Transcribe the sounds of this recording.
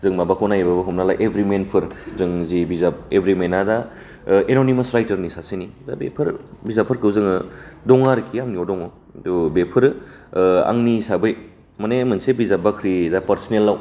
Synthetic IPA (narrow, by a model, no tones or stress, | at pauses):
zɯŋmabakʰɔwnajbabaɦumnala̰ʔebʱɾimenpʰɯɾzɯŋzibizap̚ebʱɾimenada | enonimɐsɾajtɐɾnisasinidabḛpʰɯɾbizapʰɯɾkʰɯwzɯŋɯdɔŋaɾkʰiaŋniɔdɔŋɔ | dubepʰɯɾ | a̰ŋnisabɯj | manemɯnsebizabakʰɾidapɐɾsɔnelːaw